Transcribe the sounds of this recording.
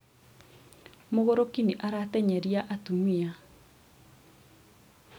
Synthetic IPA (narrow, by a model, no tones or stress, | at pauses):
moɣoɾokiniʔaɾatɛɲɛɾiaʔatumia